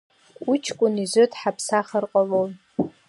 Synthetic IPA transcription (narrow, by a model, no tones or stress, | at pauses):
kʼut͡ʃʰkʷʼʊnizʷɨtħapʰsaχərqʼalown